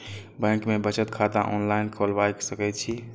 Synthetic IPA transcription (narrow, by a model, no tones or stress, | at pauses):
bɛ̃ŋkmebət͡ʃət̪kʰad̪aʔɔnlaɪnkʰolbajksəkɛt̪̚t͡ʃʰi